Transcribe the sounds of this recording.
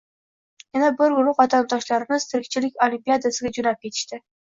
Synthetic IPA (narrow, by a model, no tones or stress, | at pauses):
janabɪɾwʊlˠʊqɒt̪ʰamt̪ʰɒʃlaɾɪmɪz̥t̪ʰɪɾɪk̚ʲt͡ʃʰɪlɪkʲolʲimpijad̪asɪɡʲad͡ʒʊnap̚kʲʰe̞t̪ʰɪ̥ʃt̪ɪ